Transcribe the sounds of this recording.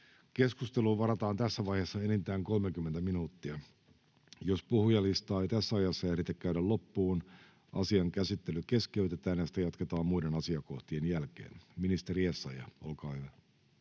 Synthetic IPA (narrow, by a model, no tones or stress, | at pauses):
ke̞skust̪eluːʋɑɾɑt̪ɑːnt̪æsːæʋɑihesːɑenint̪æːŋko̞lmekymːent̪æminuːt̪ːiæ | jospuhujɑlist̪ɑːeit̪æsːæɑjɑsːɑjɑsit̪ːekkæyɾællopːuːn | ʔɑ̰siɑŋkæsit̪ːelyke̞skeyt̪et̪æːnjɑsi̥t̪æjɑt̪ket̪ɑːmmuidenɑsiɑkoht̪ienjælkḛːnminist̪eɾiesːɑjɑʔo̰lkɑːhyʋæ